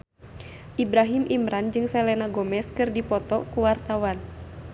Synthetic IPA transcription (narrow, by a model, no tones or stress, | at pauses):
ʔibɾaɦimʔimɾand͡ʒɨŋsɛlɛnaɡɔmɛskɨrdipɔt̪ɔkuwart̪awan